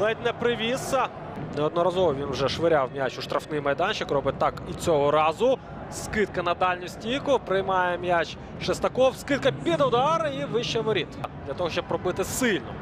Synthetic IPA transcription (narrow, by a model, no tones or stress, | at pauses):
lˠɛt̪ʲnɛpɾɪʋʲisɐ | nɛɔd̪nɔɾɐzɔʋɔʋʲinwʒɛʃʋɪɾʲawmʲjat͡ʃʊʃt̪ɾɐfnɪjmɐjd̪ɑnt͡ʃɪkrɔbɪt̪ːɑkit͡sʲɔɦɔɾɑzʊ | skɪt̪̚kɐnɐd̪ɑlʲnʲisʲtʲijkʊpɾɪjmɑjɛmʲjat͡ʃ | ʃest̪ɐkɔwskɪt̪̚kɐpʲid̪ʊd̪ɑɾɪiʋɪʃt͡ʃɛʋɔɾʲit̪d̪lʲɐt̪ɔɦɔʃʲt͡ʃɔb̚ɾɔbɪt̪ɪsɪlʲnɔ